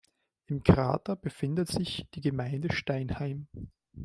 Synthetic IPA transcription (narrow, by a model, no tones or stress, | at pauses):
ʔɪmkʰʁa̰ːtɐb̥əfɪndətz̥ɪçd̥iːɡəmaɪndəʃtaɪnhaɪm